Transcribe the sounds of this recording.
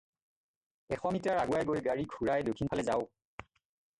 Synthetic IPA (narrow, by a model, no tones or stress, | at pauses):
ɛxɔmitaɹaɡuwajɡojɡaɹiɡʱuɹajdokʰinpʰalɛzaʊ